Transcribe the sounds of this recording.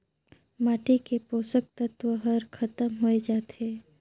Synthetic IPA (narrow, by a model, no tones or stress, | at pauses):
maːʈikepoːsək̚t̪ɐt̪ʋəɦəɾkʰɐt̪əmɦoed͡ʒaːt̪eː